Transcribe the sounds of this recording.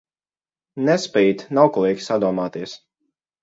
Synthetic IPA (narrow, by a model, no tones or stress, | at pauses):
nɛspɛjt̪nawklˠiːɡʲsad̪uɔmaːt̪iɛs